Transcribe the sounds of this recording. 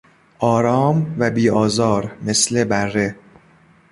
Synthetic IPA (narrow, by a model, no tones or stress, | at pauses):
ʔɒːɾɒːmvæbiːɒːzɒːɾme̞sle̞bærːe̞